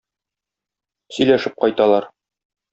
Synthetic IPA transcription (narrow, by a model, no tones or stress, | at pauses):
sɵ̆jlæʃɘp̚qɒjt̪ɑlˠɑɾ